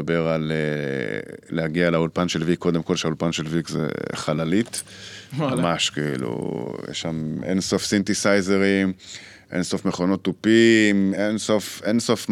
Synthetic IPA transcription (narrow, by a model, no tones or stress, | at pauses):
beʁale | lehaɡialaulpanʃelvikʰːo̞d̪emko̞lʃeaulpanʃelvikzḛχalalit̪ | amaʃkeḭlṵjḛʃamḛnso̞fsint̪isajzeʁim | ʔḛnso̞fmeχo̞no̞t̪ːupimenso̞fenso̞f